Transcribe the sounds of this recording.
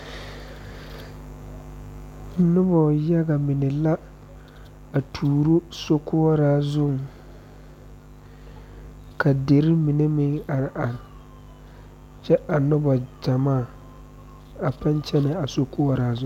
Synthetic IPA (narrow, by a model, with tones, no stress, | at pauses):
nʊ˦bɔ˨ja˦ɡa˨mɪ˨nɪ˨la˦ | a˨tʰuː˨ɾʊ˦so˦kʰʊː˦ɾaː˦zʊ˦˨ŋ | ka˨de˨ɾɪ˦mɪ˨ne˦mɪ˦ŋa˨ɾɪ˨ʔa˨ɾ | t͡ʃɛ˦ʔa˨nʊ˦bɔ˨d͡ʒa˨maː˦˨ | a˨pa˦nt͡ʃɛ˦nɪ˨a˨so˦kʰʊ˦ɾaː˦zʊ̃˦˨